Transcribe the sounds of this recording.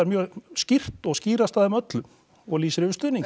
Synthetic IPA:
ɛɾmjœːscir̥t̪ɔɣsciːɾast̪aðɪmœt̪lʏm | ɔɣliːsɾɪvʏst̪ʏniŋ

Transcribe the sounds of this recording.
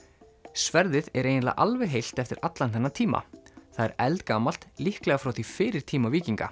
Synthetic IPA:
svɛɾðɪðɛɾeːjnla̰ʔalvɛɣɦejl̥t̪ɛft̪ɪɾat̪lanθɛnːat̪ʰiːma̰θaðɛ̰ɾɛlt̪kaːmal̥t̪lihklɛɣafɾawθifɪːɾɪɾ̥t̪ʰiːmaviːciŋka̰

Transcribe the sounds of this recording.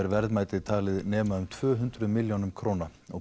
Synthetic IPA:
ɛɾvɛɾðmaːjt̪ɪðt̪ʰaːlɪðnɛːmaʏmt̪ʰvœːɦʏnt̪ɾʏmɪljownʏmkʰɾoːnaɔ

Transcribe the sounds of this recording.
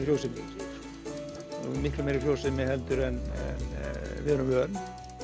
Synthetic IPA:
frjowsɪmɪ̰ | mɪkɾʏmeːɾɪfrɾjoːwsɪmːɪhɛlt̪ʏɾɛnɛ̰nvɪhœɾʏmœːɾn

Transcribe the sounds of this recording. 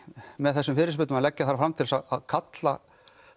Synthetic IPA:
mɛðθɛsːʏmfɪːɾɪ̥ɾspʏːt̪maðlɛcːaθaɾfɾamt̪ʰɪlsaðaðkʰat̪la

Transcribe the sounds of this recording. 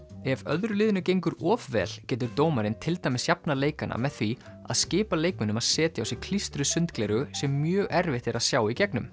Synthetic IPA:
ɛvœðɾʏlɪːðʏnʏcejŋkʏɾɔːvvɛ̰ːl̥cɛːt̪ʏɾt̪oːwmaɾɪnt̪ʰɪlt̪ajmɪsjapnaleːjkanʔa̰mɛðθvi | a̰ðscɪːpaleːjkmɪnʏmaðsɛːt̪ɪawsɪkʰl̥ist̪ɾʏsʏnt̪klɛɾʏsɛmːjœːɣɛɾvɪht̪ɛɾaðsjaːwicɛknʏm

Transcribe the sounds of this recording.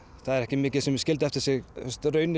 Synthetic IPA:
θaðɛɾɛhcɪmɪːcɪðsɛmɪscɪlt̪̬ɪɛft̪ɪɾ̥sɪɣɛst̪rœːɥnɪ

